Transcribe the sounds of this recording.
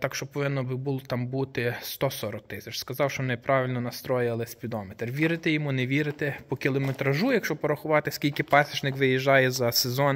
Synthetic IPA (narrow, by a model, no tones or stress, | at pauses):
t̪ɑkʃt͡ʃɔpɔʋɪnːɔbɪbulˠt̪ɑmbut̪ɪst̪ɔsɔɾɔk̚t̪ɪsʲɐt͡ʃskɐzɑwʃt͡ʃɔmnɛpɾɑʋʲɪlʲnɔnɐst̪ɾɔjɐlˠɪsʲpʲid̪ɔmet̪rʋʲiɾɪt̪ɛjɔmunɛʋʲiɾɪt̪ɛpɔkʲilˠɔmet̪ɾɐʒujɐkʃt͡ʃɔpɔɾɐxʊʋɑt̪ɪsʲkʲilʲkɪpɑsʲiʒnɪkʋɪjiʒːɑjɛzɐsezɔn